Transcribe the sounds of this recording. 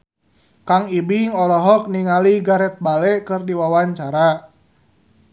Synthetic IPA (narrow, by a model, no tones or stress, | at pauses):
kaŋibiŋɔlɔɦɔk̚niŋaliɡaɾɛt̪̚balɛkɨrdiwawaɲt͡ʃaɾa